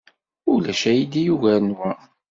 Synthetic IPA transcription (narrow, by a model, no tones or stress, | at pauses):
ulæʃæjid̪ijuʝænwæ